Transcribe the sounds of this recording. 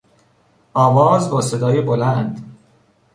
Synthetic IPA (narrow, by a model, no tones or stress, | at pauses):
ʔɒːvɒːzbɒːsed̪ɒːjebolænd̪